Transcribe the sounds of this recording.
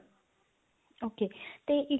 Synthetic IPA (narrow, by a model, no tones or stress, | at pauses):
oːkeːt̪eːʔɪ